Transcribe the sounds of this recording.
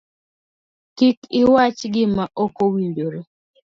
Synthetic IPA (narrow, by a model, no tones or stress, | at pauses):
kikɪwat͡ʃɡɪmaʔokowidoɾo